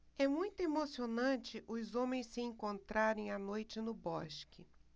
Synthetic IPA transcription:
ɛmũj̃t̪ʊemosionɐ̃t͡ʃɪʔʊzõmẽj̃sɪẽkõnt̪ɾaɾẽj̃anojt͡ʃɪnʊbɔʃkɪ

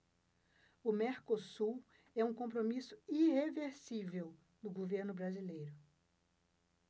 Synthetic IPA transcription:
ʊmeɾkosuw | ɛũkõpɾomisʊ̥iheveɾsivew | nʊɡoveɾnʊbɾazilejɾʊ

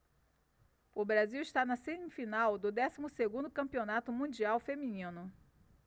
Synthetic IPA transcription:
ʊbɾaziwiʃt̪anɐsẽnɪfinawd̪ʊd̪ɛsimʊseɡũnd̪ʊkɐ̃mpionat̪ʊmũd͡ʒiawfemĩnĩnʊ

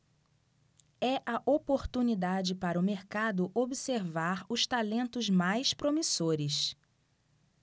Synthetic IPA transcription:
ɛʔɐʔopoɾt̪unid̪ad͡ʒɪpaɾɐʊmeɾkad̪ʊʔobiseɾvaɾʊʃt̪alẽnt̪ʊzmajspɾomisoɾɪs

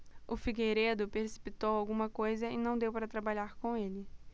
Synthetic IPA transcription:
ʊfiɡeɾed̪ʊpeɾsi̥pit̪owawɡũmɐkojzɐɪnɐ̃w̃d̪ewpaɾɐt̪ɾabaʎaɾkõelɪ

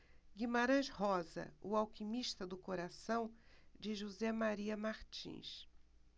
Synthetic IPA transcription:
ɡimaɾɐ̃ʃhɔzɐ̰ʊawkimiʃt̪ɐd̪ʊkoɾasɐ̃w̃d͡ʒɪʒuzɛmaɾiɐmaɾt͡ʃḭ̃ʃ

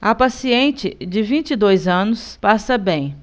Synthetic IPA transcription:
ɐpasiẽnt͡ʃɪd͡ʒɪvĩt͡ʃid̪ojzɐ̃nʊspasɐbẽj̃

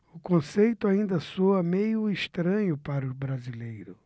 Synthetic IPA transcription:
ʊkõsejt̪ʊaĩnd̪ɐsoɐmejʊiʃt̪ɾɐ̃ɲʊpaɾʊbɾazilejɾʊ

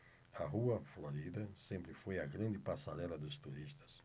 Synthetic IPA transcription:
ɐɦuɐfloɾid̪ɐsẽmpɾɪfojɐɡɾɐ̃nd̪ɪpasaɾɛlɐd̪ʊst̪uɾist̪ɐ̥s

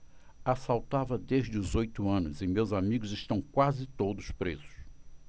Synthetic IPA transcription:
asawt̪avɐd̪eʒd͡ʒɪʊzojt̪ʊɐ̃nʊzɪmewzamiɡʊzɪʃt̪ɐ̃w̃kwazɪt̪od̪ʊspɾezʊ̥s

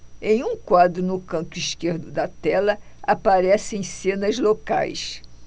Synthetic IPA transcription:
ẽj̃ũkwad̪ɾʊnʊkɐ̃nt̪ʊiʃkeɾd̪ʊd̪ɐt̪ɛlɐ | apaɾɛsẽj̃sẽnɐzloka̰js

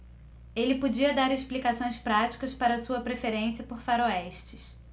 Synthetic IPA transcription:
elɪpod͡ʒiɐd̪aɾesplikasõj̃spɾat͡ʃi̥kɐspaɾɐːsuɐpɾefeɾẽsiɐpoɾfaɾoɛʃt͡ʃɪs

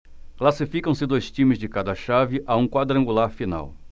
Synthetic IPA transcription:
klasifikɐ̃w̃sɪd̪ojst͡ʃĩmɪzd͡ʒɪkad̪ɐʃavɪʔaũkwad̪ɾɐ̃ŋɡulaɾfina̰w

